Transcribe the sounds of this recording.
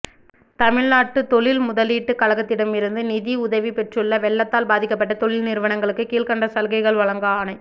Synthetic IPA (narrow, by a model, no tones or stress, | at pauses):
t̪ɐmɪɻnaːʈːɯt̪ɔɭɪlmʊðɐliːʈːɯkɐɭɐɣɐt̪ːɪɽɐmɪɾɯnd̪ɯnɪðiʊðɐʋipɛʈrɯɭːɐʋɛɭːɐt̪ːaːlbaːðɪkːɐp̬ːɐʈːɐt̪ɔɭɪlnɪɾɯʋɐnɐŋɡɐɭɯkːɯkiːlkɐɳɖɐsɐlɣɐɪɣɐɭʋɐɭɐŋɡɐaːnɐɪ